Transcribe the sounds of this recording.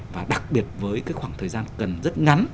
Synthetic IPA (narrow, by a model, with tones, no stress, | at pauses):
vaː˨˩ɗa˨˩k̚ɓi˨˩ət̚vəː˨˦jkaː˨˦jkxwaː˧˩ŋt̪ʰəː˨˩jzaː˧nkə˨˩nzə˦˥t̚ŋa˨˦n